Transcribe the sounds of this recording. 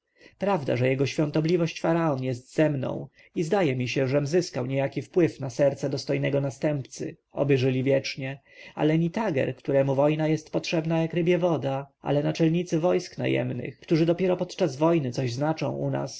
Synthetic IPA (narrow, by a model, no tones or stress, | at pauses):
pɾavd̪a̰ʐɛjɛɡɔɕfʲjɔ̃nt̪ɔblʲivɔɕt͡ɕfaɾaɔnjɛst̪z̥ɛmnɔ̰̃w̃ | izd̪ajɛmʲiɕɛʐɛmzɘskawɲejakʲifpwɘfnasɛɾt̪sɛd̪ɔst̪ɔjnɛɡɔnast̪ɛmpt̪sɘ̰ | ɔ̰bɘʐɘlʲivʲjɛt͡ʂɲɛ | a̰lɛɲit̪aɡɛ̰ɾkt̪uɾɛmuvɔjnajɛst̪pɔtʂɛbnajakɾɘbʲjɛvɔd̪aʔa̰lɛnat͡ʂɛlɲit̪sɘvɔjskna̰jɛ̰mnɘ̰xkt̪uʐɘd̪ɔpʲjɛɾɔpɔt̪t͡ʂazvɔjnɘt̪sɔʑznat͡ʂɔ̰̃w̃ṵna̰s